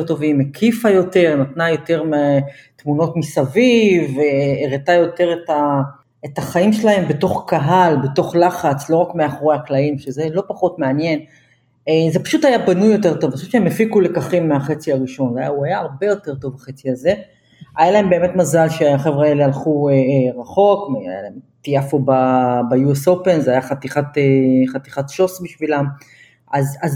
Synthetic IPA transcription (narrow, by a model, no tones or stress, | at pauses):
eʁt̪o̞vimekʰifajo̞te̞ʁnat̪najo̞te̞ʁmet̪muno̞tmisaviveːʁetajo̞te̞ʁeta | etaχaimʃelahe̞mbeto̞χkaɦalbe̞to̞χlaχat͡slo̞ʁakmeaχoʁeaklaimʃezelo̞paχo̞tmeanje̞n | ezepḁʃuthajabanujːo̞te̞ʁto̞vʃuvʃeemefikule̞kaχimːeaχet͡siaʁiʃo̞nveaja̰uajaːʁbe̞jo̞t̪e̞ʁt̪o̞vbaχet͡siaze̞ | ajalae̞mbe̞ːme̞t̪mazalʃeaχevʁaelealχueʁaχo̞kmea̰ja̰la̰emt̪ijafobabajueso̞pe̞nzeajaχat̪iχat̪eχat̪iχat̪ʃo̞sbiʃvilam | azaz